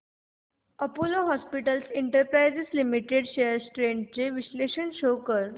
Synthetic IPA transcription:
əpoloɦɔspiʈəlsiɳʈəɾpɾajzislimiʈeɖɕeəɾsʈɾeɳʈ̚t͡ɕeʋisleɕənɕokəɾ

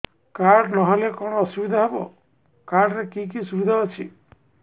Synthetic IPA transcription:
kaɾɖnɔɦalekɔɽ̃ɔɔsubid̪ʱaɦebɔ̰ | kaɾɖɾekik̬isubid̪ʱaɔt͡ʃʰḭ

